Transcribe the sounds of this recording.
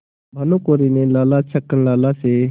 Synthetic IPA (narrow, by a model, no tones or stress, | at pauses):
bʱənõːkoːɾiːnẽːlaːlaːt͡ʃʰəkənlaːlaːseː